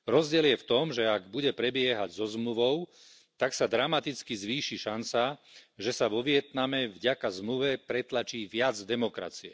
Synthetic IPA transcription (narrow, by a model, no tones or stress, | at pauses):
ɾɔzɟɪɛljɛft̪ɔmʒɛaɡbuɟɛpɾɛbɪɛɦaɟzɔzmluʋɔʊ | t̪aksad̪ɾamat̪it͡skizʋiːʃiʃant͡saʒɛsaʋɔʋɪɛt̪namɛvɟakazmluʋɛpɾɛt̪lat͡ʃiːʋɪad͡zd̪ɛmɔkɾa̰t͡siɛ̰